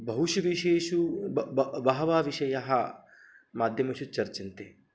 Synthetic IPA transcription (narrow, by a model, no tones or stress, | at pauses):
bɐɦuʃɐʋiʃeːʃubbɐbɐɦɐʋaːʋiʃɐjɐɦɐ | maːd̪ʱjɐmɐʃut͡ʃɐɾt͡ʃint̪eː